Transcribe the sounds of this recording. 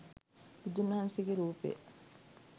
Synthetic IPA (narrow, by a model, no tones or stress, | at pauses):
id̪unːɐɦɐnsiɡeɾuːpḛː